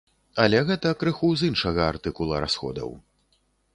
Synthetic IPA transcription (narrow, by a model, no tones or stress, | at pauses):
ɐlʲɛɣɛt̪ɐkɾɨxuzinʂɐɣɐ̰ːrt̪ɨkulˠɐ̰ɾa̰sxɔ̰d̪ɐ̰w